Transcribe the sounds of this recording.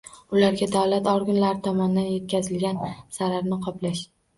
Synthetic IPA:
ʊlaɾɡʲad̪awlat̪ɒɾɡʲʊnlaɾɪt̪ʰɒmɒnɪd̪anje̞t̪̚kʲazɪlɡʲansaɾaɾnɪqʰɒplaʃ

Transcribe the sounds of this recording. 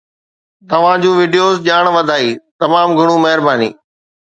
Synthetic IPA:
t̪ɐʋ̤ãd͡ʑũːʋɪːɖijoːzʄaːɽ̃ʋɐd̪ʱaːiːt̪ɐmaːmɡʱʊɽ̃ũmɐɦɪɾbaːnḭː

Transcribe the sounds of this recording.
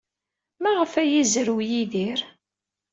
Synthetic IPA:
mæʁəfæjizəɾwjiðiɾ

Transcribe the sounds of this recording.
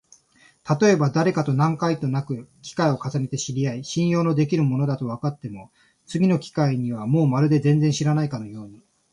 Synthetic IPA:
t̪at̪o̞e̞bad̪aɾe̞kat̪o̞nãŋkait̪o̞nakɯ̟kʲi̥kaio̞kasane̞t̪e̞ɕiɾʲiaiɕĩɰ̃jo̞ːno̞d̪e̞kʲiɾɯ̟mo̞no̞d̪at̪o̞β̞akat̪ːe̞mo̞ | t͡sɨɡʲino̞kʲi̥kaiɲ̟iβamo̞ːmaɾɯ̟d̪e̞zẽ̞nd͡zẽ̞ɰ̃ɕiɾanaikano̞jo̞ːɲ̟i

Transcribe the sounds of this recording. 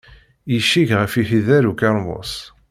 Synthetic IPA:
jiʃːiʝʁəfiçiðæɾukɑɾˤmʊ̰s

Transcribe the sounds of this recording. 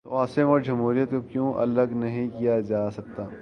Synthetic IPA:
t̪oaːsɪəmɔːɾd͡ʒɐmɦuːɾijət̪kokjõːʔɐ̰ləɡnɐɦĩkijad͡ʒaːsɐk̚t̪aː

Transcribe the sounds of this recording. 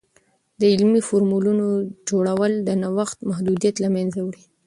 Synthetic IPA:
d̪əɪlmifoɾmulunod͡ʒoɽawəld̪ənawaxt̪mahd̪ud̪ijat̪lamanzawɽi

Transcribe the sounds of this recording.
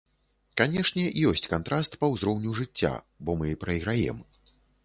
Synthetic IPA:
kanʲɛʂnʲɛjɔsʲt͡sʲkant̪ɾast̪pɐwzɾɔwnʲuʐɨt͡sʲːa̰ | bɔmɨipɾɐiɣɾajɛ̰m

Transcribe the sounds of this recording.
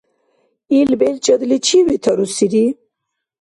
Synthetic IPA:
ilbelt͡ʃʼɐd̪lit͡ʃʰiwit̪ʰɐɾusiɾi

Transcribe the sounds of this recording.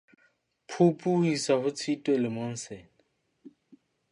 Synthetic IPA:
pʰupʼuhisahʊt͡sʰitʼwelɪmon̩sɛːnɪ

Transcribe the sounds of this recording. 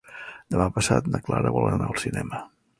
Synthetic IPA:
d̪əmapəsat̪nəklaɾəβɔlˠənaəlˠsinɛmə

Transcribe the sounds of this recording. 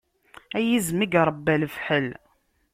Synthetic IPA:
æjizmiɡɾˤəbːælfħəl

